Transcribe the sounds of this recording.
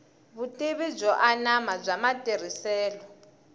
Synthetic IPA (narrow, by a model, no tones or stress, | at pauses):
βutʼeβib͡ʐɔʔanamab͡ʐʷamatʼeɾ̤isɛːlɔ